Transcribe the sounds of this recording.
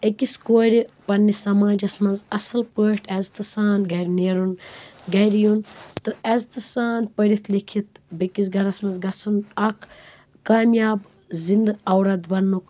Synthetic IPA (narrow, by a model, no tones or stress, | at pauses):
ekiskoːɾʲipɐnːisɐmaːd͡ʒɐsmɐnzɐsɐlpəːʈʰɛzt̪ɨsaːnɡɐɾʲneːɾunɡɐɾʲjunt̪ɨɛzt̪ɨsaːnpəɾit̪ʰlikʰit̪bɐkis̬ɡɐɾɐsmɐnzɡɐsʰunɐkʰ | kaːmjaːb | zind̪ɨɐwɾɐd̪bɐnːuk